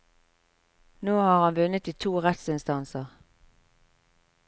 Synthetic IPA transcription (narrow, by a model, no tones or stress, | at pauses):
noːhɑːʁhɑnʋʉnət̪iːt̪ʰuːʁɛt̪sɪnst̪ɑnsəʁ